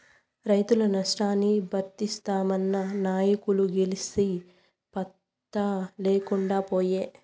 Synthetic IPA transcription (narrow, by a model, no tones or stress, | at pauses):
ɾɐjt̪ulɐnɐʂʈaːnːibʱɐɾt̪ist̪aːmɐnːɐnaːjɐkuluɡelisi | pɐt̪ː | ɐleːkuɳɖaːpoːjeː